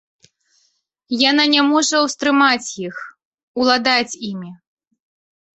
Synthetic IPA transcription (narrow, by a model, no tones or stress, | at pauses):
jananʲɛmɔʐɐwst̪ɾɨmat͡sʲjix | ulˠad̪at͡sʲimʲi